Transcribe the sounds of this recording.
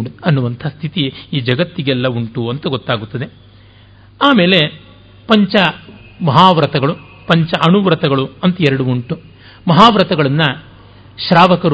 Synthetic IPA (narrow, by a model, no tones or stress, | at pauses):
ɐnːuʋɐnt̪ʰɐst̪ʰit̪iiːd͡ʒɐɡɐt̪ːiɡɛlːɐuɳʈuɐnt̪ɐɡot̪ːaːɡut̪ːɐd̪e̞ | aːme̞ːle̞ | pɐɲt͡ʃɐ | mɐɦaːʋɾɐt̪ɐɡɐɭu | pɐɲt͡ʃɐʔɐɳuʋɾɐt̪ɐɡɐɭuɐnt̪ɐɛɾɐɽuuɳʈu | mɐɦaːʋɾɐt̪ɐɡɐɭɐnːɐ | ʃɾaːʋɐkɐɾ